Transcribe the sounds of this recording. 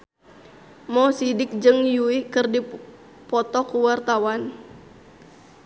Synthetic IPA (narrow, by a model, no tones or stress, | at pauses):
mɔsidɪk̚d͡ʒɨŋjuikɨrdi | pɔt̪ɔkuwart̪awan